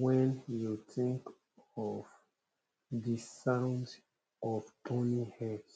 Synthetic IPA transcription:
wɛ̃njutĩŋk | ɔv | disãnd | ɔvtʰõnihɛ

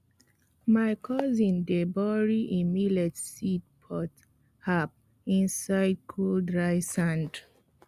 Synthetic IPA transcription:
maɪkʰɔzĩndebɔɹiʔimilɛtsit̚pʰɔt | hap̚ | ĩnsaɪd̚kʰoldɹajsãnd

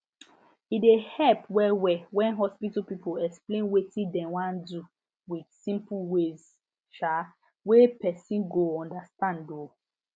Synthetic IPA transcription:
idehɛpwɛwɛwɛ̃nɦɔspitpipoɛksplẽnwetĩdɛ̃wãndu | widsĩmpuwez | ʃa | wepɛsĩnɡoɔ̃ndastãndo

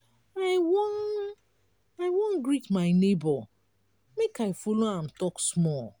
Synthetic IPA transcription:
aɪwɔn | aɪwɔ̃nɡɾitmaɪnebɔ | mekaɪfoloãm̩tɔksmɔl

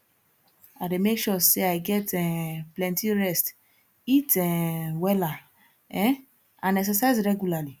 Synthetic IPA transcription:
ademekʃɔseaɪɡɛtɛ̃plɛ̃ntiɹɛst | itɛwɛla | ɛ | ãnɛksɛsaɪzɹɛɡjulali

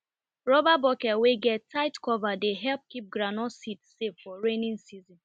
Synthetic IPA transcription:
ɹɔbabɔkɛweɡɛtʰːaɪtkɔvadeɦɛlp̚kip̚ɡɾanɔsitseffɔɹenĩnsizĩn

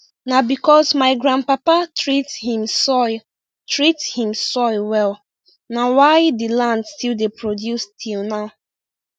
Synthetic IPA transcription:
nabikɔsmaɪɡɹãnpapatɹithĩmsɔɪ | tɹithĩmsɔɪwɛlˠ | nawaɪdilãndstilˠdepɹodjustʰilnaʊ

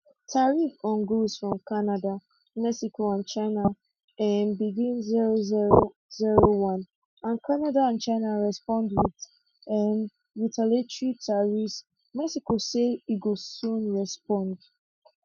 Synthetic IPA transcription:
tʰaɹifɔ̃nɡusfɹɔ̃mkanada | mɛksikoãnt͡ʃaɪna | ɛnbiɡĩnziɹoziɹo | ziɹowɔ̃n | ãnkʰanadaãnt͡ʃaɪnaɹɛspɔ̃ndwid | ɛn | ɹitʰaletɹitʰaɹis | mɛksikoseiɡosũnɹɛspɔ̃nd

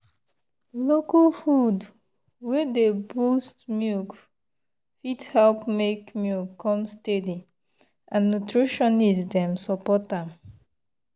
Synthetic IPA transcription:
lokafud | wɛdebostmjuk | fithɛlpmekmjukʰːɔ̃mstɛdi | ʔãnːutɹiʃɔ̃nizdɛ̃msɔpɔtam

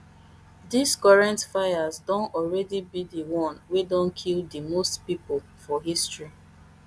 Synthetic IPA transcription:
dizkɔɹãntfajazdɔ̃nɔlɹɛdibidiwɔ̃nwedɔ̃nkʰildimostpipo | fɔɦistɹi

